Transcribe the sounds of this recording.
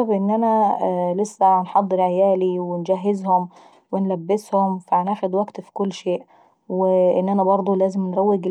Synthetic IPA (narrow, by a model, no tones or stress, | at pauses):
ɑbʔɪnːʔanælɪsːænħɑd̪ˤːɨɾʕajæːliwɪnɡaɦːɪzhʊm | wɪnlabːɪshʊmfanʔaxʊd̪waɡt̪fi̥kʊlːʃeːʔ | wɪʔɪnːʔænæbɑɾˤd̪ˤulæːzɪmnɾˤɑwːɪɡ